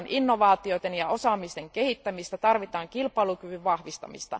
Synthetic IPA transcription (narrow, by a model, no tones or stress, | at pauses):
nʔinːo̞ʋɑːt̪iot̪enjɑo̞sɑːmist̪eŋke̞hit̪ːæmist̪æt̪ɑrʋit̪ɑːŋkilpɑilukyʋyʋʋɑhʋist̪ɑ̰mḭst̪ɑ̰